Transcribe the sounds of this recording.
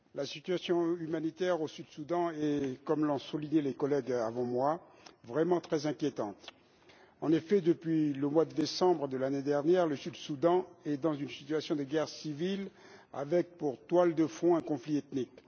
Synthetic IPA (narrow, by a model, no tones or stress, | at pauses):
lasit̪yasjɔ̃ymanit̪ɛʁosyd̪sud̪ɑ̃ɛkɔmlɔ̃suliɲelekɔlɛɡavɑ̃mwa | vʁɛmɑ̃t̪χɛzɛ̃kʲjet̪ɑ̃t̪ | ɑ̃nefɛd̪əpɥiləmwad̪əd̪esɑ̃bʁəd̪əlaned̪ɛʁnjɛʁləsyd̪sud̪ɑ̃ɛd̪ɑ̃zynsi̥t̪ɥasjɔ̃d̪əɡɛʁsivila̰vɛk̚puʁt̪wald̪əfɔ̃ɛ̃kɔ̃fliɛt̪nik